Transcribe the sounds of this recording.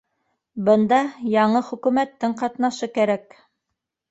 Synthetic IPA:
bɤ̆nd̪ɑjɑɴɤχɵ̆kʉmæt̪ːɘɴqɑt̪nɑʃɤkæɾæk

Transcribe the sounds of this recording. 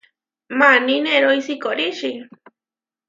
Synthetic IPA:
manineɾojsikoɾiʃi

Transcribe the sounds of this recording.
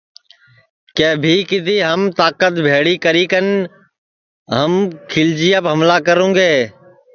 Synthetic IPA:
keːbʱiːkɪt̪iːɦəmt̪aːkət̪bʱeːɽiːkəɾiːkən | ɦəmkʰɪld͡ʒiːjapɦəmlaːkəɾõːɡeː

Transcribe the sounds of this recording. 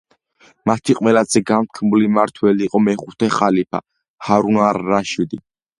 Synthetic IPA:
mat̪ʰiqʼwɛlazɛɡamt̪̚ʰkʰmulimaɾt̪ʰwɛliːqʼɔmɛχut̪ʰɛχalipʰa̰ | haɾunaɾːaʃid̪i

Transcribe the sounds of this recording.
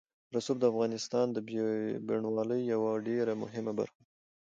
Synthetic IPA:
ɾasub̚d̪əafɣɑnɪst̪ɑnd̪əbbɪɳwɑləjːawaɖeɾamʊ̰ɦɪmaba̰ɾxa

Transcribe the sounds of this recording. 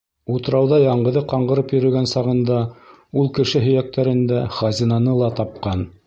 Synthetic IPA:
ut̪ɤ̆ɾɑwðɑjɑɴɢɤ̆ðɤqɑɴɢɤ̆ɾɤpjɵ̆ɾɵ̆ɡænsɑʁɤ̆nd̪ɑ | ulˠkɘ̆ʃɘɦɵ̆jæk̚t̪ʰæɾɘ̆nd̪æχɑzʲinɑnɤlˠɑt̪ɑp̚qɑn

